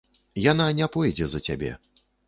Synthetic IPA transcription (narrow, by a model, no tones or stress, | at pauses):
jananʲɛpɔjd͡zʲɛzɐt͡sʲabʲɛ̰